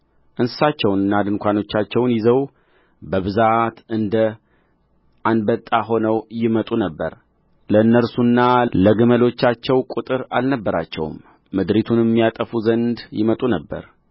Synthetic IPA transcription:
ʔɨnsɨsat͡ʃːɛwnɨnːad̪ɨnkʷano̞t͡ʃːat͡ʃːɛwnjɪzəw | bəβɨzat̪ɨnd̪ə | ʔanbət̪ʼːaɦo̞nəwjɪmət̪ʼunəbːə̰ɾ | ləɨnːəɾsunːaləɡɨməlo̞t͡ʃːat͡ʃːɛwkʼut̪ʼɨɾalnəbːəɾa̰t͡ʃːɛ̰w̰mː | ɨd̪ɾit̪ʰunɛmːijat̪ʼəfuzənd̪jɪ̰mət̪ʼunəbːə̰ɾ

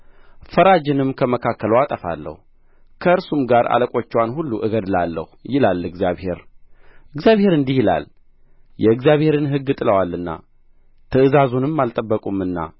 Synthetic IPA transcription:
fəɾad͡ʒɪnɨmkʰəməkʰakːələwat̪ʼəfa̰lːə̰hu | kʰəɨɾsumɡaɾa̰ləkʼo̞t͡ʃːɛwanhulːuʔɨɡəd̪lalːə̰hujɪlalɨɡzijaβhe̞ɾɨɡzijaβhe̞ɾɨnd̪ihjɪla̰l | jɛɨɡzjaβhe̞ɾɨnɦɨɡːɨt̪ʼɨləwalːɨnːa̰ | t̪ʰɨɨzazunɨmːalt̪ʼəbːəkʼumɨnːa̰

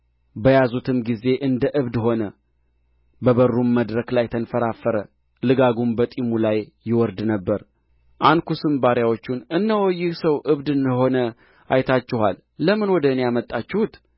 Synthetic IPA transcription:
bəjazut̪ʰɨmɡize̞ʔɨnd̪əʔɨβd̪ɦo̞nə | bəβərːumːəd̪ɾəklajt̪ʰənfəɾafəɾə | lɨɡaɡumbət̪ʼimulajːɪwɔɾd̪nəbːəɾ | ʔankusɨmbaɾjawot͡ʃːunɨnːəwɔjːɪhsəwʔɨβd̪ɨnəɦo̞nə | ʔa̰jt̪ʰat͡ʃːɪha̰lːəmɨnwɔd̪əɨnejamət̪ʼːat͡ʃːɪhut̪

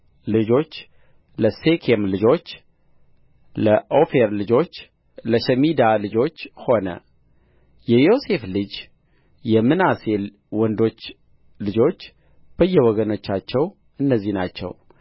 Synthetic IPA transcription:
lɨd͡ʒo̞t͡ʃː | ləsekʰemlɨd͡ʒo̞t͡ʃː | ləʔofeɾlɨd͡ʒo̞t͡ʃː | ləʃəmid̪alɨd͡ʒo̞t͡ʃːho̞nə̰ | jɛjo̞se̞flɨd͡ʒ | jɛmːɨnase̞ | wɔnd̪o̞t͡ʃː | lɨd͡ʒo̞t͡ʃː | b̥əjːɛwɔɡəno̞t͡ʃːat͡ʃːɛw | ɨnːəzːinat͡ʃːɛ̰w

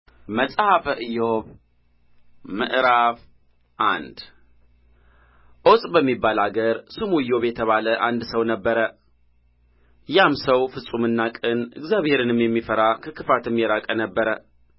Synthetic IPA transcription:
məsʼhafəʔɨjoβ | mɨ̰ʔɾaf | ʔa̰nd̪ | ʔo̞sʼbəmːibːalaɡəɾsɨmujːo̞βjɛt̪ʰəβaləʔand̪səwnəbːəɾə | jamsəwfɨsʼumɨnːakʼɨnɨ̰ɡzjaβheɾɨnɨmjɛmːifəɾakʰəkɨfat̪ɨmjɛɾakʼənəbːəɾə

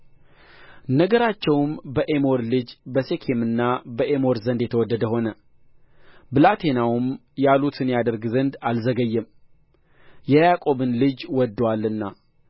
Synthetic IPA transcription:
nəɡəɾat͡ʃːɛwmbəʔe̞mo̞ɾlɨd͡ʒbəse̞kʰemɨnːabəʔemo̞ɾzənd̪jɛt̪ʰəwɔd̪ːəd̪əho̞nə | bɨlat̪ʰe̞nawʊmjalut̪ʰɨnjad̪əɾɡzənd̪alzəɡəjːɛm | jɛjakʼo̞βɨnlɨd͡ʒwɔd̪ːwalːɨnːa

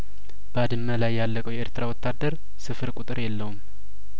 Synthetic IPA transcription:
b̥əad̪ɨmːəlajːalːəkʼəwjɛeɾt̪ʰɨɾawɔt̪ːad̪ːəɾ | sɨfɨɾkʷʼut̪ʼɨɾjɛlːəwum

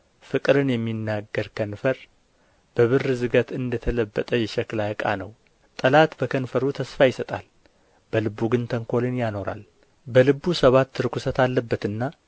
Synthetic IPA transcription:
fɨkʼɨɾɨnjɛmːinːaɡːəɾkʰənfəɾ | b̥əβɨrːɨzɨɡət̪ɨnd̪ət̪ʰələbːət̪ʼəjɛʃɛklakʼa̰nəw | t̪ʼəlat̪bəkʰənfəɾut̪ʰəsfajɪsət̪ʼal | b̥əlɨβːuɡɨnt̪ʰəŋkʰo̞lɨnjano̞ɾa̰l | bəlɨβusəβat̪ːɨɾkusət̪alːəbːət̪ɨnːa

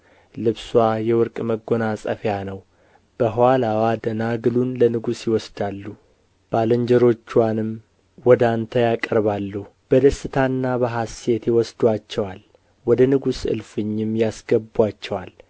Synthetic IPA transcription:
lɨβswajɛwɔɾkʼməɡo̞nasʼə̰fjanəw | b̥əɦwalawad̪ənaɡɨlunlənɨɡusjɪwɔsd̪alːu | b̥aləɲd͡ʒɛɾo̞t͡ʃːwanɨm | wɔd̪ant̪ʰəjakʼəɾβalːuhu | b̥əd̪əsːɨt̪ʰanːabəɦase̞t̪jɪwɔsd̪uat͡ʃːɛwal | wɔd̪ənɨɡusɨ̰lfɨɲːɪmjasɡəbat͡ʃːɛwal

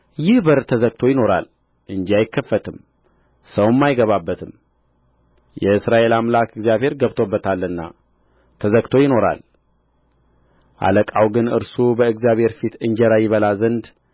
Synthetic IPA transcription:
jɪhbəɾt̪ʰəzəɡ̚t̪ʰo̞jɪno̞ɾa̰l | ʔɨnd͡ʒijajɪkʰːəfːət̪ʰɨm | səwmːajɪɡəβabːət̪ʰɨm | jɛɨsɾaʔe̞lamlakɨɡzjaβhe̞ɾɡəβt̪ʰo̞bːət̪ʰalːɨnːa̰ | t̪ʰəzəɡt̪ʰo̞jɪno̞ɾa̰l | ʔa̰ləkʼawɡɨnɨ̰ɾsubəɨɡzjaβhe̞ɾfit̪ɨɲd͡ʒɛɾajɪβəlazənd̪

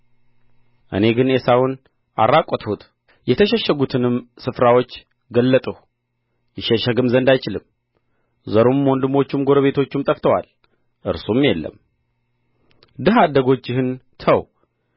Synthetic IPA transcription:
ʔɨ̰ne̞ɡɨnesawʊn | ʔa̰rːakʼːɔt̪hut̪ʰ | jɛt̪ʰəʃɛʃːəɡut̪ʰɨnɨmsɨfɾawot͡ʃː | ɡəlːət̪ʼəh | jɪʃɛʃəɡɨmzənd̪ajt͡ʃɪlɨm | zəɾomwɔnd̪ɨmo̞t͡ʃːumɡo̞ɾəβe̞t̪ʰo̞t͡ʃːɪmt̪ʼəft̪ʰəwa̰l | ʔɨɾsumjɛlːə̰m | d̪ɨɦad̪əɡo̞t͡ʃːɪhɨnt̪ʰəw

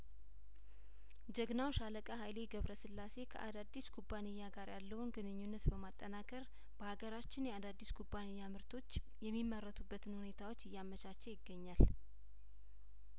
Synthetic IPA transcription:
d͡ʒəɡnawʃaləkʼəɦajleɡəβɾəsɨlːase̞kʰə̰ʔad̪ad̪ːiskʰubːanɨjːaɡaɾjalːəwunɡɨnɨɲːunːət̪bəmat̪ʼːənakʼəɾ | b̥əhaɡəɾat͡ʃːɪnjɛad̪ad̪ːiskʰubːanɨjːamɨɾt̪ʰo̞t͡ʃː | jɛmːimːərːət̪ʰubːət̪ʰɨnhune̞t̪ʰawo̞t͡ʃːɪjːamət͡ʃat͡ʃːɛjɪɡːəɲːal

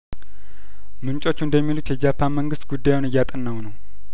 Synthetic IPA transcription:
mɨnt͡ʃʼo̞t͡ʃːund̪əmːilut̪jɛd͡ʒapʰːanməŋɡɨst̪ɡud̪ːajwnɨjːat̪ʼənːəwnəw

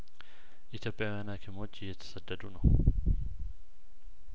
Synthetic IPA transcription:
ʔit̪ʰjo̞pʼjawijanakʰimo̞t͡ʃːɪjːɛt̪ʰə̥səd̪ːəd̪unəw

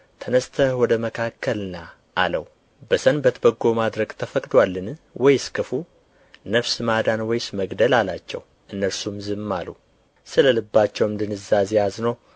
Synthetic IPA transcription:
t̪ʰənəst̪ʰəhwɔd̪əməkʰakːəlna | ʔalə̰w | bəsənbət̪ʰbəɡːo̞mad̪ɾəɡt̪ʰəfəkʼd̪walːɨnwɔjskʰɨfu | nəfsɨmad̪anwɔjsməɡd̪əlalat͡ʃːɛ̰w | ʔɨnːəɾsumzɨmːalu | sɨləlɨbːat͡ʃːɛwɨmd̪ɨnɨzːazejaznəw

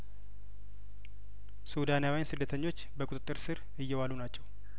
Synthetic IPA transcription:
sud̪anjawijnsɨd̪ːət̪ʰəɲːo̞t͡ʃːbəkʼut̪ʼɨt̪ʼːɨɾsɨɾ | ɨjːɛwalunat͡ʃːɛw

